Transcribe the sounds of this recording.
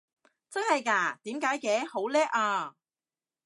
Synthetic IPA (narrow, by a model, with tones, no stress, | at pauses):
t͡sɐ˥nhɐ˨jkaː˧˩t̪iː˨˥mkaː˨˥jkɛː˨˥ho˨˥wlɛː˥k̚aː˧